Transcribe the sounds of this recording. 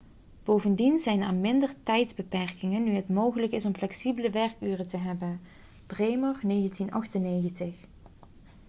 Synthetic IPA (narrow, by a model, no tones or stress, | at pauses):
b̥owvəndinzɛjnaːnmɪndəɹtɛjtzbəpɛɹkɪŋənːyɦətmowɣələkɪsɔmflɛksibələʋɛɹkyːrətəɦɛbən | b̥rejmɑɹnejɣəntinʔɑ̰xtənːejɣəntɪx